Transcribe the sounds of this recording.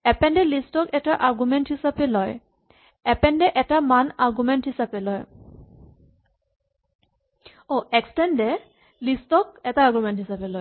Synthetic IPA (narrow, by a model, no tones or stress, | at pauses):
ɛpɛnɖɛlistɔkɛʈaʔaɹɡumɛnʈhisapɛlɔj | ɛpɛnɖɛʔɛtamanaɹɡumɛnʈhisabɛlɔj | oɛksʈɛnɖɛ | listɔk̚ɛtaːɡumɛnʈɦisabɛlɔj